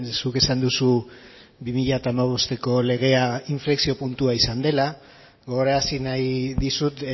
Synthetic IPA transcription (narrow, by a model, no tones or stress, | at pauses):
sukesand̪usu | bimiʎat̪aːmaβ̞o̞st̪e̞ko̞le̞ɣ̞e̞aiɱfleksio̞punt̪uaisand̪e̞la | ɣoɣoɾasinajðisut̪